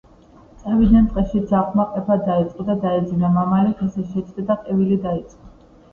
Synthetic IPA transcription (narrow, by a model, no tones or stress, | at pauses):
t̪sʼɛvid̪ant̪ʼqʼɛʃid̪zaχʰmaqʼɛpʰad̪ait̪sʼqʼɔd̪ad̪aɛd̪zinamamalit̪ʰɛsɛʃɛt͡ʃʼd̪ɛd̪aqʼɛvilid̪ait̪sʼqʼɔ